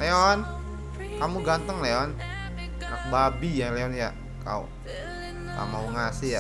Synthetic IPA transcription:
leɔn | kamuɡant̪əŋleɔn | nak̚babijaleɔnja | ka̰ṵ | ka̰mawuŋasija

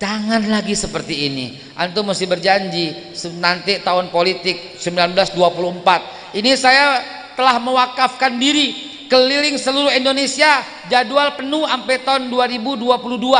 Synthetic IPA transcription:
d͡ʒaŋanlaɡisəpərt̪iːnḭ | ʔant̪umasɪhbərd͡ʒaɲd͡ʒi | sənant̪ɪt̪aʊnpolit̪ɪk̚səmbilanbəlasduapuluəmpat̪̚ | inisaja | t̪əlahməwakafkandiɾi | kəlilɪŋsəluɾʊɦindonesia | d͡ʒadualpənuampet̪aʊnduaɾibuduapuludua

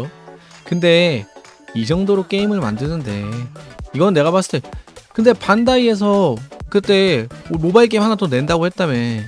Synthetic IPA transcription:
okɯnde̞ | id͡ʑʌŋdoɾok͈e̞imɯɭma̰ndɯnɯnde̞ | iɡʌnɯnːe̞ɡapas͈ɯ̥t͈ʰeokɯnde̞pandaie̞s̬ʰʌkɯt͈e̞omobaiɭk͈e̞imɦanatone̞ndaɡohe̞t̚t͈amen

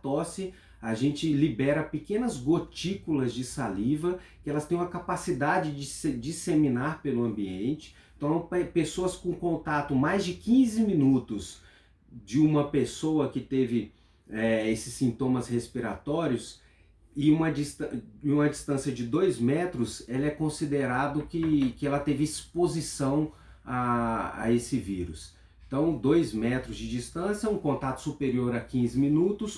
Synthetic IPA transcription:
t̪ɔsɪ | aʒẽnt͡ʃɪlibɛɾɐpɪkẽnɐzɡot͡ʃikulɐzd͡ʒɪsalivɐ | kɪɛlɐst̪ẽj̃ũmɐkapasid̪ad͡ʒɪd͡ʒɪsd͡ʒisemĩnaɾpelʊɐ̃biẽnt͡ʃɪ̥ | t̪ɐɔ̃ɐ̃pesoɐskõkõnt̪at̪ʊmajzd͡ʒɪkĩzɪmĩnut̪ʊs | d͡ʒɪũmɐpesowɐkɪt̪evɪ | ɛesɪ̥sːĩnt̪õmɐshespiɾat̪ɔɾiʊs | ɪũmɐd͡ʒist̪ɐũmɐd͡ʒist̪ɐ̃siɐd͡ʒɪd̪ojzmɛt̪ɾʊsɛlɐɛkõsid̪eɾad̪ʊkɪkɪɛlɐt̪evɪːspozisɐ̃w̃ | aa̰esɪviɾʊs | ẽt̪ɐ̃w̃d̪ojzmɛt̪ɾʊzd͡ʒɪd͡ʒist̪ɐ̃sjɐũkõnt̪at̪ʊ̥supeɾioɾɐkĩzɪmĩnut̪ʊs

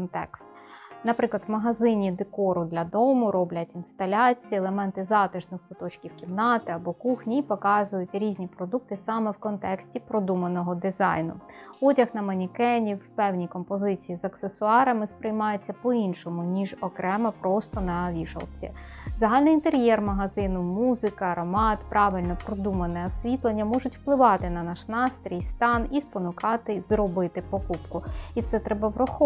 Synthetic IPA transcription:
kɔnt̪ɛ̰kst̪ | nɐpɾɪklˠɐd̪wmɐɦɐzɪnʲid̪ekɔɾʊd̪lʲɐd̪ɔmʊɾɔblʲɐtʲinst̪ɐlʲɑt͡sʲijielˠemɛnt̪ɪzɑt̪ɪʒnɔxpʊt̪ɔt͡ʃkʲiwkʲimnɑt̪ɪɐbɔkuxnʲiipɔkɑzʊjʊtʲɾʲizʲnʲipɾɔd̪uk̚t̪ɪsɑmɛwkɔnt̪ɛksʲtʲipɾɔd̪umɐnɔɦɔd̪ɪzɑ̰jnʊ̰ɔtʲɐxnɐmɐnʲikɛnʲiwpɛwnʲikɔmpɔzɪt͡sʲijizɐksesʊɑɾɐmɪspɾɪjmɑjʊt͡sʲːɐpɔinʃɔmʊnʲiʒɔkɾʔɛmɐpɾɔst̪ɔnɐʋʲiʃɐ̰lˠt͡sʲḭzɐɦɑlʲnɔint̪eɾʲjɛrmɐɦɐzɪnʊmuzɪkɐɾɔmɑt̪pɾɑʋɪlʲnɔpɾɔd̪umɐnɛɐsʲʋʲit̪lˠenʲːɐmɔʒʊtʲw̥plˠɪʋɑt̪ɪnɐnɑʃnɑst̪ɾʲijst̪ɑnispɔnʊkɑt̪ɪzrɔbɪt̪ɪpɔkupkʊit̪sɛt̪ɾɛbɐʋɾɔxɔ

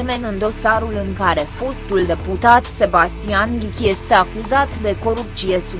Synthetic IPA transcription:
me̞nɨnd̪o̞saɾulɨŋkaɾe̞fo̞st̪uld̪e̞put̪at̪se̞bast̪ianlikʲje̞st̪e̞akuzat̪d̪e̞ko̞ɾup̚t̪sije̞su

